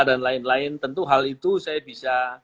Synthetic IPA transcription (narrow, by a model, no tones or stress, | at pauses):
danlaɪnlaɪnt̪ənt̪uɦalit̪usajabisa